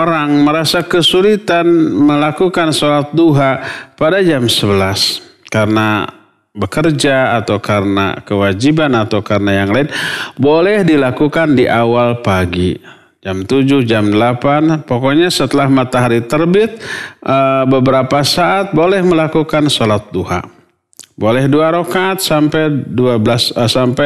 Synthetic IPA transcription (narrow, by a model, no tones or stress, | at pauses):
oɾaŋməɾasakəsulit̪anməlakukansolat̪̚duɦapadad͡ʒamsəbəlas | kaɾəna | bəkərd͡ʒaːt̪awkarəna̰kəwad͡ʒibanat̪awkarənajaŋlaɪnbolɛhdilakukandiʔawalpaɡi | d͡ʒamt̪ud͡ʒʊhd͡ʒamdəlapanpokɔɲasət̪əlahmat̪aɦaɾit̪ərbɪt̪̚ʔəbəbəɾapasaʔat̪̚bolɛhməlakukansolat̪̚duha̰ | bolɛhduaɾokat̪̚sampɛduabəlasəsampɛ